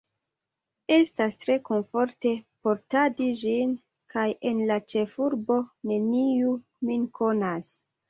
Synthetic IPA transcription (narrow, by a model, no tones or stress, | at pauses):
e̞stastɾe̞ko̞nfo̞ɾte̞po̞ɾtadiʒin | kaje̞nlat͡ʃe̞fuɾbo̞ne̞niu | minkʰo̞nas